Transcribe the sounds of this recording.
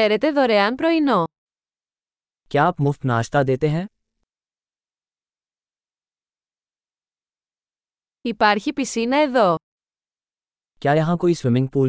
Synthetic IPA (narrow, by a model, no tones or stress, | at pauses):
eɾet̪e̞ðoɾeɐnpɾo̞ino | kaːpmʊft̪naːʃt̪ad̪eːt̪eɦɛ̃ | ipɐɾçipisinɐe̞ðo̞ | kʲjaːjɐɦãkoːiswɪmɪ̃ŋɡ̚puːl